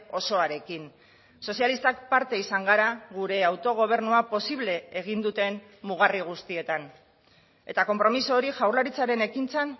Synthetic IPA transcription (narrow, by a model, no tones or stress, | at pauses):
o̞so̞aɾe̞kin | so̞sialist̪ak̚paɾt̪e̞isaŋɡaɾaɣuɾe̞awt̪o̞ɣ̞o̞β̞e̞ɾnuapo̞siβle̞ːɣ̞ind̪ut̪e̞n | muɣariɣ̞ust̪ie̞t̪an | e̞t̪ako̞mpɾo̞misoːɾiʝawɾlaɾit͡saɾe̞ne̞kint͡san